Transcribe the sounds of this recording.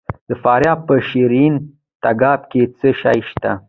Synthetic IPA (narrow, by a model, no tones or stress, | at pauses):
d̪̥əfɑɾjɑb̚pəʃiɾin | t̪aɡɑbket͡səʃa̰jʃt̪a